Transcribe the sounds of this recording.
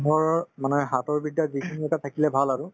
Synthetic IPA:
ɦɔɹɔmanɛɦatɔɹbidːazikʰiniɛtatʰakilɛbʱalaɹʊ

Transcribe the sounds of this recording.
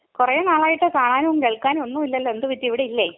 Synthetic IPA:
kurɐjɐnaːɭaːjiʈːɨkaːɳaːnumkeɭkːaːnonːuːmilːɐlːoend̪ɨʋit̪ːiʋiɽeilːe

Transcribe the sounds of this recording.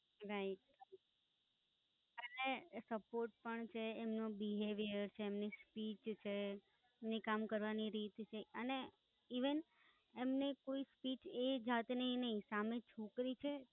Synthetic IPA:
ɾaiʈ̚ | ənesəpoɾʈ̚pəɳt͡ʃʰeːmnobiɦeʋijəɾt͡ʃʰeːmnespit͡ʃt͡ʃʰe | emnekamkəɾʋaniɾit̪t͡ʃʰeəne | iʋən | emnekoispit͡ʃed͡ʒat̪nəɦĩnəɦĩsamet͡ʃʰokɾit͡ʃʰe

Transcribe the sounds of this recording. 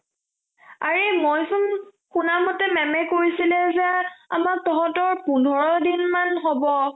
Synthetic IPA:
aɹemojsʊn | xunamɔtɛmɛmɛkoɹisilɛzɛa̰mak̚tɔɦɔtɔɹpundʱɔɹɔdinmanɦobɔ

